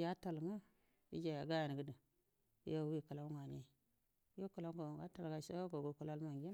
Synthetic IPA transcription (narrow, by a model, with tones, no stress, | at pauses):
ja˦ta˨lŋa˦ | ḭ˦d͡ʒa˨ja˨ɡa˦ja˨n˨ɡə˦də̰˨˦ | ja˦wi˦ka˨la˦wu˦ŋa˨ni˦ | jo˦ka˨la˦ɡo˨ɡa˦ta˨lɡa˨sa˦ɡo˨ɡo˨ku˨la˦lma˨ŋɡʲi˦n